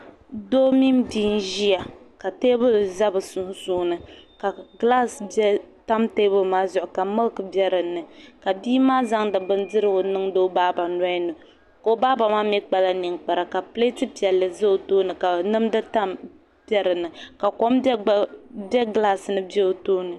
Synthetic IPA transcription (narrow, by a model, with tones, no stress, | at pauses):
do˦mi˦mdi˦n˦ʒi˦a˨ | ka˨teː˦bɨ˦˨za˦bɨ˨sʊ˨n˦suː˦nɨ˨ka˨ɡla˦sta˦mteː˦bɨ˦maː˦zʊ˨ʔʊ˨ka˨mɨ˦lkɨ˨bjɛ˦ɾɨ˨nɨ˨ka˨biː˦maː˦za˦ŋdɨ˨bɨ˦ndɨ˦ɾɨ˦ɡʊ˨nɨ˦ŋdo˦baː˦ba˨na˦i˦nɨ˨ | ko˨o˦baː˦ba˨maː˦mɛ˦k͡pa˦la˦ni˨ŋk͡pa˨ɾa˨ka˨ple˦tɨ˦pi˨ɛ˨lːɨ˨za˦o˨toː˦nɨ˨ka˨nɨ˦mdɨ˦ta˦m | b̥ɛ˦ɾɨ˨nɨ˨ka˨ko˦m˦bɛ˦ɡla˦snɨ˦bɛ˦o˨toː˦nɨ˨